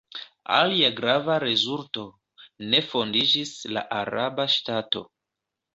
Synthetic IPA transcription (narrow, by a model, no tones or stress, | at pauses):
a̰liaɡɾavaɾe̞zulto̞ | ne̞fo̞ndid͡ʒisla̰ʔaɾabaʃtato̞̰